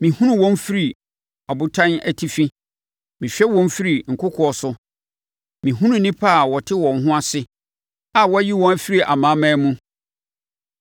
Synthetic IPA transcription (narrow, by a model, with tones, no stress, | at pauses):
mĩ˨hũ˦nũ˦wɔ̃˦n˦fi˦ɾi˨ | ɔ˨bʊ˦tʰã˦næ˨tʰi˦fi˦ | mĩ˨ɕᶣɛ˦wɔ̃˦m˦fi˦ɾi˨ŋ̩˨kʰʊ˦kʰɔ˨ɔ˨sʊ˦ | mĩ˨ɦũ˦nũ˦nĩ˦pʰa˦˨wɔ˨tʰɪ˦wɔ̃˨n˦ɦʊ̃˦a˨sɪ˦ | a˨wɔ˦æ˦ji˦wɔ̃˦æ˦fi˦ɾi˨ʔa˨mãː˨˦mã˦mũ˦